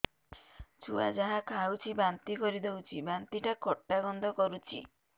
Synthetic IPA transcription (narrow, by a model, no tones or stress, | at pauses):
t͡ʃʰua̰d͡ʒaɦakʰawt͡ʃʰibant̪ikɔɾid̪ewt͡ʃʰibant̪iʈakɔʈːaɡɔnd̪ʱɔkɔɾut͡ʃʰḭ